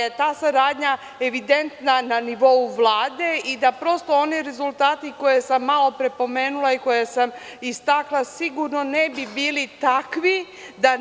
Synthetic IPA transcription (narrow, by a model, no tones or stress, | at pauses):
jet̪aːsaɾaːd̪ɲa | e̞ʋid̪e̞nt̪nananiʋo̞uʋlˠaːd̪e̞id̪apɾo̞st̪o̞o̞niɾe̞zulˠt̪aːt̪iko̞jesamːalo̞pɾe̞po̞me̞ːnulˠaiko̞jesam | ist̪aklˠasiɡuɾno̞nebibiːlit̪akʋi | d̪a